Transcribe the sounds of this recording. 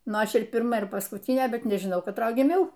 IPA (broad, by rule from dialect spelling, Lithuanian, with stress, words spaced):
ˈnʊ ˈɐʃ ɪr pʲɪrˈmɐ ɪr pɐskʊtʲiːnʲeː ˈbʲɛt nʲɛʒʲɪˈnɐʊ kɐtˈroːj ɡʲɪˈmʲɛʊ